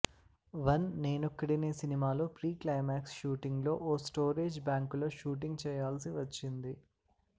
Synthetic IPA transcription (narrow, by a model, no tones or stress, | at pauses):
ʋɐnːe̞ːnukːɐɽineːsinimaːloːpɾiːklɐjmaːksʃuːʈiŋɡlo̞ːʔoːsʈoːɾeːd͡ʒbaːŋkloːʃuːʈ̬iŋɡt͡ʃɛːjaːlsiʋɐt͡ʃːind̪i